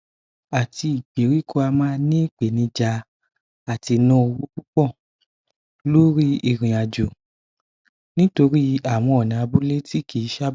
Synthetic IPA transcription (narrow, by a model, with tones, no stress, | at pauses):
a˨ti˧i˨k͡pi˨˦ɾi˦kʰo˦a˧mãː˦nĩ˦i˦˨k͡pe˨nĩ˧d͡ʒa˧˦ | a˨ti˧nũ˦o˧wu˦k͡pu˦k͡pɔ˦˨ | lo˦ɾi˦i˦˨ɾ̃ĩ˨a˨d͡ʒo˨ | nĩ˦to˧ɾi˦a˦˨w̃ɔ̃˧˦ɔ˨nĩ˨a˧bu˦le˦ti˦kʰi˨˦ʃa˦